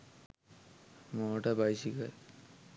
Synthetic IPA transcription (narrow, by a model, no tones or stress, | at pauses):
mɔʈabajsikaj